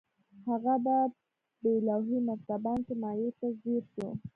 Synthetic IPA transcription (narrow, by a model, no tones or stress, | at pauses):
haɣaba | belawɦimak̚t̪abɑnkemɑjet̪azeɾʃṵ